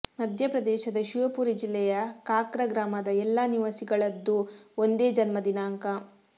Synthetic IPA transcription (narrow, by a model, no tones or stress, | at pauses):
mɐd̪ʱjɐpɾɐd̪ɛːʃɐd̪ɐʃiʋɐpuːɾid͡ʒilːɛjɐkaːkɾɐɡɾaːmɐd̪ɐɛlːaniʋɐsiɡɐɭɐd̪ːuond̪e̞ːd͡ʒɐnmɐd̪inaːŋkɐ